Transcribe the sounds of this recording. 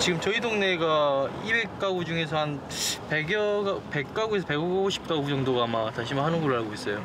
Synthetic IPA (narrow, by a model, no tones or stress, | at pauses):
t͡ɕiɡɯmt͡ɕʌidoŋne̞ɡaibe̞k̚k͈aɡud͡ʑuŋe̞sʰʌhan | pe̞ɡjʌɡpe̞k̚k͈aɡuesʰʌpe̞ɡʌɡaɡoɕʰi̥p̚t͈aɡud͡ʑʌŋdoɡaːmataɭɕʰimɯɭɦanɯnɡʌɾɯɭɦaɭɡois͈ʌjo